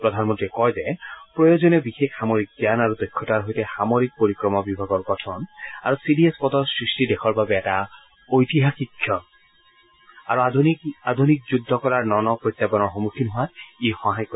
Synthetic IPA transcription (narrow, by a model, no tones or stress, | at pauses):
pɹɔd̪ʱanmɔntɹiɛkɔjzɛpɹɔjozɔnebixekxamoɹik̚ɡjanaɹudɔjkʰːɔtaɹɦojtɛxamoɹik̚poɹikɹɔmɔbibʱaɡɔɹɡɔtʰɔna̰ɹusiɖiespɔd̪ɔɹsɹistidekʰɔɹbabɛːta | ojt̪iɦaxikʰːjɔ | aɹuad̪ʱunik̚zudʱːɔkɔɹaɹnɔnɔpɹojt̪sapɔnɔɹxɔmukʰinɦʊwat̪exɔɦajkːɔ